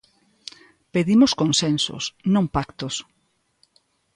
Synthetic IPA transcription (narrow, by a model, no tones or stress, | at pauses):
peðimoskonsenso̰snõŋpakt̪os